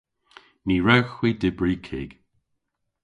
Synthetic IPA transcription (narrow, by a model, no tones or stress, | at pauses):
niːɹɛwxwiːdɪbɹiːkʰɪɡ̥